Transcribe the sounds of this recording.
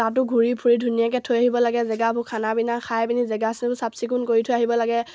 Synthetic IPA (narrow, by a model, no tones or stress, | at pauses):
tat̬ʊɡʱuɹipʰuɹidʱunijak̬ɛtʰojaɦibɔlaɡɛzɛɡabʱukʰanabinaxʰajbinizɛɡasinbʊsapsikʊnkoɹitʰojaɦibɔlaɡɛ